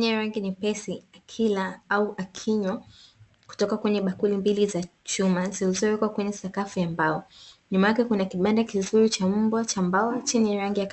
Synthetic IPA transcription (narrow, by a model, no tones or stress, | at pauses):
ɲɛɾaŋɡinipɛsiakʰilaauʔakʰiɲwa | ku̥tɔkakwɛɲɛɓakulimbilizat͡ʃumazilizɔwɛkwakwɛɲɛsakafujambaaʄumaakɛkunakiɓandakizuɾit͡ʃam̩bwat͡ʃambawat͡ʃiniaɾaŋɡijak